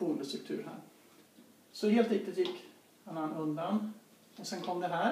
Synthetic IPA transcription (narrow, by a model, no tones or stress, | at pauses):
uːləst̪ɾɵkt̪ʰʉ̟ːɾhæ̰ːɾ | sɔheːlt̪ɪt̪ːət̪jɪkː | anːanɵnd̪an | ɔsɛnkʰɔmd̪ɛɦæː